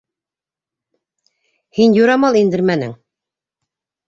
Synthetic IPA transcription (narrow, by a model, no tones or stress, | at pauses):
hinjuɾɑmɑlˠind̪ɘɾmænɘ̰ŋ